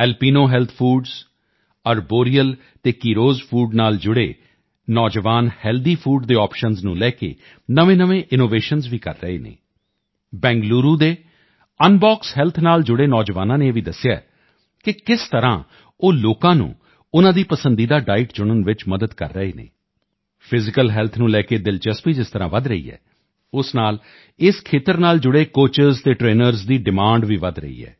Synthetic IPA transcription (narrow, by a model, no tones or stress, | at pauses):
ɛːlpiːnoːɦɛːlt̪ʰpʰuːɖz | əɾboːɾijəl | t̪eːkiːɾoːzpʰuːɖnaːld͡ʒʊɽḛː | nɔːd͡ʒəʋaːnhɛːld̪iːpʰuːɖd̪eːɔːpʃənznũːlɛːkḛː | nəʋẽːnəʋẽːʔɪnoːʋeːʃənzʋiːkə̰ɾːəḛːnḛː | bɛ̃ːŋɡluːɾuːd̪eː | ənbaːksɦɛːlt̪ʰnaːld͡ʒʊɽeːnɔːd͡ʒəʋaːnãːneːʋiːd̪əsɪja̰ː | kɪkɪst̪əɾã̰ː | oːloːkãːnṵ̃ː | ʊnãːd̪iːpəsə̃nd̪iːd̪aːɖaːɪʈt͡ʃʊɽ̃ənʋɪt͡ʃməd̪əd̪kə̰ɾːəeːnḛː | pʰɪzɪkəlɦɛːlt̪ʰnũːlɛːkeːd̪ɪlt͡ʃəspiːd͡ʒɪst̪əɾãːʋəd̪ɾəḭːɛ̰ː | ʊsnaːl | ɪskʰeːt̪əɾnaːld͡ʒʊɽeːkoːt͡ʃəɾzt̪eːʈɾeːnəɾzd̪iːɖɪmãːɳɖʋiːʋəd̪ɾə̰ḭːɛ̰ː